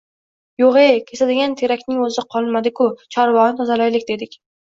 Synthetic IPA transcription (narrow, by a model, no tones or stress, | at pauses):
joʁekʲʰesad̪ɪɡʲant̪ʰeɾakʲnɪŋɵzɪqʰɒlˠmad̪ɪkʰʊt͡ʃʰɒɾvɒnɪt̪ʰɒzalajlɪkʲd̪e̞d̪ɪkʲ